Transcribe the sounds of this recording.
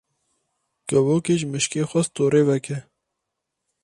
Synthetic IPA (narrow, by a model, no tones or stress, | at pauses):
kəwoːkeʒmɪʃkeːxɐst̪oːɾewɐke